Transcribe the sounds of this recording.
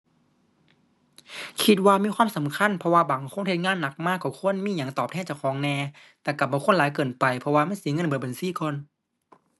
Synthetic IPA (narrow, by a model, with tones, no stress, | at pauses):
kʰi˧t̪̚waː˧miː˧˥˨kʰwaː˧˥˨sa˨˦mkʰa˧˥˨npʰɔ˧waː˧baː˨˦ŋkʰo˧˥˨nʰe˧˩ŋaː˧˥˨nːa˧˩k̚maː˧˩kːɔː˧˩kʰu˧˥˨ə˨nmiː˧˥˨ɲa˨˧˩ŋt̪ɔː˨˩p̚t̪ʰɛː˧˥˨t͡ɕa˧˩wkʰɔː˨˦ŋnɛː˧ | t̪ɛː˧˩ka˧˩p̚bɔː˧˩˨kʰo˧˥˨laː˨˦jkɤː˨˩npa˨˩jpʰɔ˧waː˧ma˥˨nsi˨˦ŋɤ˧˥˨nbɤː˨˧˩ba˨nsiː˧˩˨kɔː˧˨n